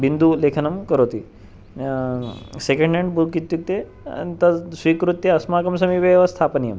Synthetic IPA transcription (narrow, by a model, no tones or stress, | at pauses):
bind̪ulekʰɐnɐmkɐɾoːt̪i | sekɐɳɖeɳɖbulkit̪juk̚t̪ḛ | t̪ɐsʋiːkɾut̪jɐɐsmaːkɐms̬ɐmiʋɐʋɐst̪ʰaːpɐnijɐm